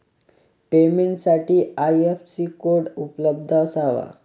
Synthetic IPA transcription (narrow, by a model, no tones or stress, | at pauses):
pemeɳʈsaʈiːajefsiːkoɾɽupləb̚d̪ʱasaʋa̰